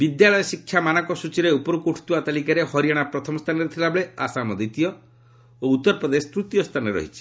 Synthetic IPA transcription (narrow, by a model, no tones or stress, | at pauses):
bid̪jalɔjɔsikʰːjamanɔkɔsut͡ʃiɾeupɔɾukoʈʰu̥t̪uat̪alikaɾehɔɾijaɽ̃apɾɔt̪ʰɔmɔst̪ʰanɔɾet̪ʰilabɔɭeasamɔd̪it̪ijɔ | out̪ːɔɾpɾɔd̪esɔ̥t̪ɾut̪jɔst̪ʰanɔɾɔ̰ɦit͡ʃʰi̥